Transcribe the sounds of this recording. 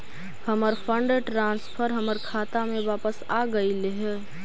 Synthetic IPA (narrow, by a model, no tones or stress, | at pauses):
həməɾpʰə̃ɳɖʈɾãːnspʰəɾɦɐməɾkʰaːt̪amẽʋaːpəsaːɡəileɦɛ